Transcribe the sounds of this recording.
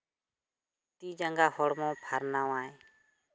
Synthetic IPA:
t̪iːd͡ʒaŋɡaːhɔɽmõːpʰaːɾnaːʋaːẽ

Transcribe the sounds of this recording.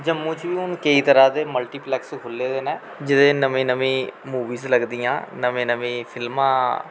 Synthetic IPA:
d͡ʒəmːũːt͡ʃʋiːʊnkəiːt̪əɾaːd̪eːməlʈiːplɛːkskʰʊlːeːd̪eːnɛ̃ː | d͡ʒɪd̪ẽːnəmẽːnəʋĩːmuːʋiːzləɡd̪ijã̰ːnəʋẽːnəʋĩːpʰɪlmãː

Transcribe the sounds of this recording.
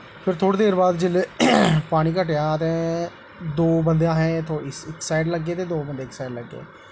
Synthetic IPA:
pʰɪɾt̪ʰoːɽeːd̪eːɾbaːd̪d͡ʒɪlepaːɽ̃iːkəʈejaːət̪ẽː | d̪oːbənd̪ejãːɦɛ̃ːt̪ʰoːɪsɪksaːɪɖləɡːeːt̪eːd̪oːbənd̪eːɪksaːɪɖləɡːḛː

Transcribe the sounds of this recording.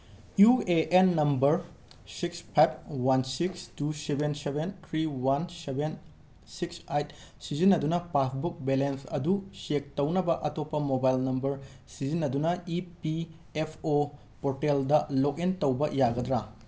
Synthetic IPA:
jueʔenːɐmbɐɾ | sikspʰajb̚ʰwansikstusebʱensebentʰɾiwansebʱen | siksajt̚ | sizinːɐdunɐpasbuk̚belensɐ̰dusek̚tɐwnɐbɐʔɐtopːɐmobajlnɐmbɐɾ | sizinːɐdunɐipi | epʰo | poɾteldɐlok̚entɐwbɐjaɡɐdɾa

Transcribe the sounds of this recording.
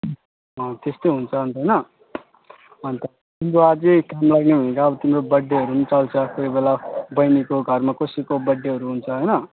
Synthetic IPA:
ʌt̪est̪oɦunt͡sʰʌʌnt̪ʌjnʌ | ʌnt̪ʌ | t̪imɾoad͡zekamlaɡnebʱʌĩkaʌbʌt̪imɾobʌɖːeɦʌɾunit͡sʌlt͡sʰʌkoibelabʌjnikoɡʱʌrmakosikobʌɖːeɦʌɾuɦunt͡sʰʌɦʌjnʌ

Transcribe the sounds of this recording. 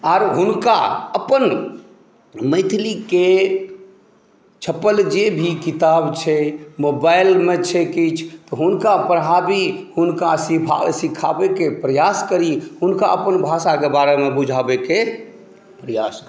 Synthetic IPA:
aɾɦunka̰əpən | mə̃ɪt̪ʰlike | t͡ʃʰəpəld͡ʒebʱikit̪abt͡ʃʰɛmobaɪlmet͡ʃʰɛkit͡ʃʰt̪ɔɦunkapəɾəɦabihunkasia̰sikʰa̰bekepɾəjaskəɾihunka̰ʔə̰pənbʱasakebaɾemebud͡ʒʱabeke | pɾəja̰s

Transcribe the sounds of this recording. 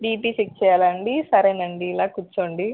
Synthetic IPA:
ɖiːpiːsik̚t͡ʃɛːjaːlɐɳɖisɐɾenɐɳɖiːlaːkut͡ʃːoːɳɖi

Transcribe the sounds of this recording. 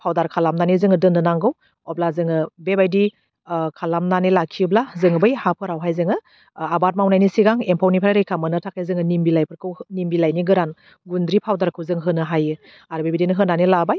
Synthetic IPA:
pʰawdaɾkʰalamnanizɯŋɯdɯndɯnaŋɡɯw | ɔblazɯŋɯbebajdi | kʰalamnanilakʰiblazɯŋɯbɯjhapʰɯɾawɦajzɯŋɯ | abat̚mawnajnisiɡaŋempʰawnipʰɾajɾajkʰamɯnɯtʰak̚ezɯŋɯnimbilajpʰɯɾkʰɯwnimbilajniɡɯɾan | ɡundɾipʰawdaɾkʰɯwzɯŋɦɯnɯɦajɯ | aɾbebidinɯɦɯnːanilabaj

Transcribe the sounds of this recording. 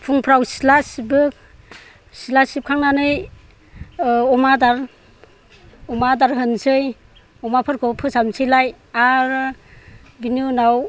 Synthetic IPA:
pʰuŋpʰɾawsi̥lasibɯk̚ | silasip̚kʰaŋnanɯj | ɔmadaɾ | ɔmadaɾɦɯnsɯj | ɔmapʰɯɾkʰɔpʰɯsamsʰɯjlaj | aɾ | binunaw

